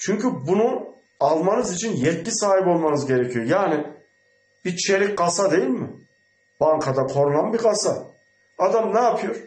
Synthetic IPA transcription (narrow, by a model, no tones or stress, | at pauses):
t͡ʃʰyɲcybunu | alˠmanɯzit͡ʃʰinjɛt̪̚cʰisaːɦipo̞lˠmanɯzɟe̞ɾecʰijo̞jaːnɪ | bit͡ʃʰeɾic̚ɡasad̪e̞jilʲmɪ | b̥aŋkʰad̪akʰo̞ɾulˠanbiɡasa | ad̪amnɛːpʰɯjo̞ɾ̥